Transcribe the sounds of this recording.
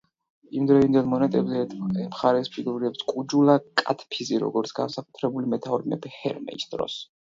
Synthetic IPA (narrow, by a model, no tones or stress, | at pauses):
imd̪ɾɛvind̪ɛlˠmɔnɛt̪ʼɛbzɛmχaɾɛspʰiɡuɾiɛpskʼud͡ʒulˠakʼat̪ʰpʰiziɾɔ̰ɡɔɾt̪sʰɡ̥a̰nsakʼut̪ʰɾɛbulimɛt̪ʰaɔɾmɛ̰bihɛ̰ɾmɛ̰isd̪ɾɔ̰s